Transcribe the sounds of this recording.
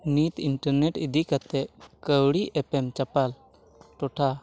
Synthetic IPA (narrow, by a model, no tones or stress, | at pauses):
nit̪iɳʈəɾneʈid̪ikat̪ɛʔkəwɽiʔɛpɛmt͡ʃapal | ʈɔʈʰa